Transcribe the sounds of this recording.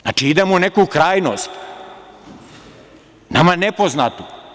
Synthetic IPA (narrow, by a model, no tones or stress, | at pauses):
za̰ːt͡ʃiid̪emonekukɾaːjno̰st̪ | na̰manepoznat̪u